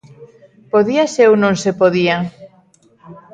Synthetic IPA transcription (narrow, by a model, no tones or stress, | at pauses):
poðiasewnõŋsepoðia